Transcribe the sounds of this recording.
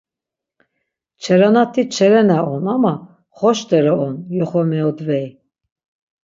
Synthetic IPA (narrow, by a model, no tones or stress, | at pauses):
t͡ʃʰɛɾanat̪ʰit͡ʃʰɛɾɛnaɔnama | χɔʃd̪ɛɾɔɔnjɔχɔmɛɔd̪vɛj